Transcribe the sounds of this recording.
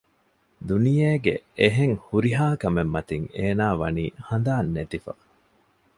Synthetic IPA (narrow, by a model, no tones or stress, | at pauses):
d̪unijeːɡḛeɦeŋhuɾiɦaːkɐmemːɐt̪iŋeːnaːʋɐniːhɐnd̪aːnːet̪ifɐ̰